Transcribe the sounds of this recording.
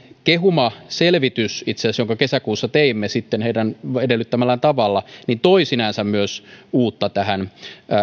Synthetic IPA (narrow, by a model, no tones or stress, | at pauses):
keɦumɑselʋit̪ysit̪seɑsjoŋkɑkesækuːsːɑt̪eimːesit̪ːenheidænedelːyt̪ːæmælːænt̪ɑʋɑlːɑnint̪oisinɑˑnsæmmyøsuːt̪ːɑt̪æhænː